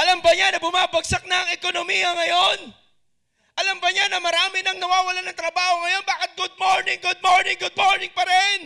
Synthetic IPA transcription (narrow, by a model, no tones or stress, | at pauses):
ʔɐlambɐɲanɐbʊmaːbɐɡ̚sak̚nɐŋɛkonomijɐŋɐjo̞n | ʔɐlambɐɲanɐmɐɾaːmɪnɐŋnɐwaːwɐlanɐŋt̪ɾɐbaːho̞ŋɐjo̞nbaːkɪt̪̚ɡʊd̪̚moɹnɪŋɡʊd̪̚moɹnɪŋɡʊd̪̚moɹnɪŋpɐɾɛn